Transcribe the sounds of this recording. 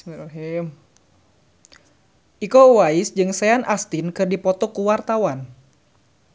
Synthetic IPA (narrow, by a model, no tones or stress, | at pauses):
miɾaɦim | ʔikowaɪsd͡ʒɨŋsɛanʔast̪ɪnkɨrdipɔt̪ɔkuwart̪awan